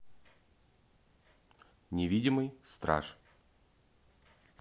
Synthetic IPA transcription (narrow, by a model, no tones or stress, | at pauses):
nʲɪvʲidʲɪmɨjst̪ɾa̰ʂ